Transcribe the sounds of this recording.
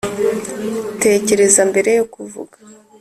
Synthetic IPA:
te̞ce̞ɾe̞zambe̞ɾe̞jokuvṵɡḁ

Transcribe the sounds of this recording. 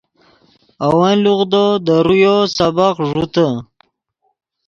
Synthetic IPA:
awaluɣd̪od̪əɾujosabaqʐut̪ə

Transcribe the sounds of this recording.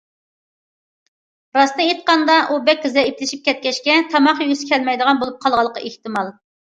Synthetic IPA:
ɾɑsnɨet̪̚qɑnd̪ɑʔubɛk̚ʲːɪzɛiplɪʃip̚kʲʰɛt̪̚kʲɛʃkʲɛt̪ʰɑmɑχjysɪ̥kʲʰɛlmɛjd̪əʁɑnbolˠup̚qʰɑlˠʁɑlˠːəqʰːɑ̰ʔeht̪ɨmɑlˠ

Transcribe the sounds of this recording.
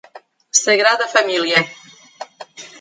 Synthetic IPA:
səɣɾaðəfamiljə

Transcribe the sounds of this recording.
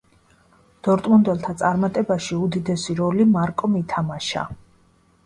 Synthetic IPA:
d̪̥ɔɾt̪ʼmund̪ɛlˠt̪ʰat̪sʼaɾmat̪ʼɛbaʃiud̪id̪ɛsiɾɔlimaɾkʼɔmit̪ʰamaʃa̰

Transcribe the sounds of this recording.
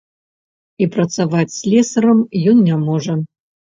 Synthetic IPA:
ipɾɐt̪savat͡sʲsʲlʲɛsɐɾɐmjɔnnʲamɔʐɐ

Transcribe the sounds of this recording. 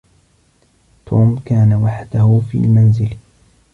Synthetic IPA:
t̪ʰuːmkaːnawaħd̪ahʊfḭːlmanzɪl

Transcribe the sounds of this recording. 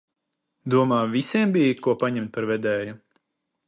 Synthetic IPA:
d̪uɔmaːvisiɛmbijkuɔpaɲɛmt̪̚paɾvɛd̪ɛːju

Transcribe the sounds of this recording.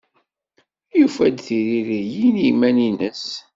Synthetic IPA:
jufæd̪θiɾiɾijinimæninəs

